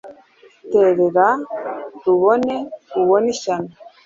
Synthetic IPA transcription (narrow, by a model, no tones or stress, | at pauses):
iteɾeɾa | ɾuβoneuβoniʃano